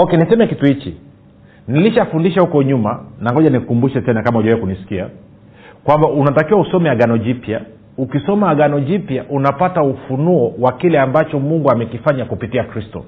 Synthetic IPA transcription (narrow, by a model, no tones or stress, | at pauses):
ɔkɛnisɛmɛkituhit͡ʃḭ | niliʃafundiʃahukɔɲumanaŋɡɔʄanikkumbuʃɛtɛnakamauʄɛwɛkunisi̥kia | kwambaʔunatakiwausɔmɛaɠanɔʄipja̰ | ukisɔmaːɡanɔʄipjaʔunapataufunuɔwakilɛambat͡ʃɔmuŋɡuamɛkifaɲakupitiakɾistɔ̰